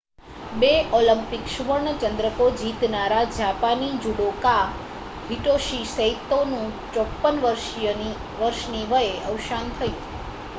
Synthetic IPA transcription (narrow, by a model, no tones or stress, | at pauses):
beɔləmpikʃuʋəɾɳət͡ʃənd̪ɾəkod͡ʒit̪naɾad͡ʒapanid͡ʒuɽoka | bʱiʈoʃisəɦit̪ːonũt͡ʃɔpːənʋəɾʃəni | ʋəɾʃniʋəjeəwʃant̪ʰəjũ